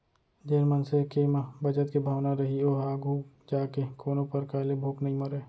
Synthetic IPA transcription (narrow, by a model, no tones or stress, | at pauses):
d͡ʒeːnmənsekemabʱɐd͡ʒət̪kibʱaːʋnaɾɐɦioːɦaːɡʱu | d͡ʒaːkekoːnõpɐɾkaːlebʱoːknəɦĩməɾeː